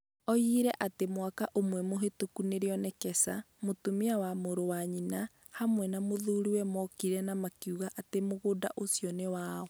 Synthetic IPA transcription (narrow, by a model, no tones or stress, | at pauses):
ɔiɾɛʔatemwakaʔomwɛmoɦetokuneɾeɔnɛkɛsa | motomiawamoɾowaɲina | hamwɛnamoðuɾuwɛmɔkiɾɛnamakjuɣaʔatemoɣodaʔosjɔnewaːɔ